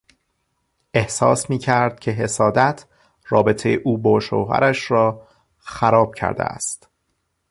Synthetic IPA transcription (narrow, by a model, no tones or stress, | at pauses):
e̞hsɒ̰ːsmiːcʰæɾd̪̥̚cʰe̞ɦe̞sɒːd̪æt̪ʰ | rɒːbe̞t̪ʰejeʔuːbɒːʃo̰ːɦæ̰ɾæʃɾɒː | xæɾɒːb̥̚cʰæ̰ɾd̪ḛæ̰st̪